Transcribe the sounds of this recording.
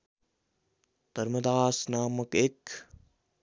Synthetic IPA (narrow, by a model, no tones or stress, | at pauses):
t̪ɐɾmɐd̪aːsnaːmɐkek